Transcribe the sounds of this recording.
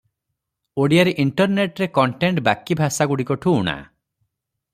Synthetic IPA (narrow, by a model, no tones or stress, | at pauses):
oɽijaɾeʔiɳʈɔɾneʈɾekɔɳʈeɳʈbakibʱasaɡuɽikɔʈʰuːɽ̃a̰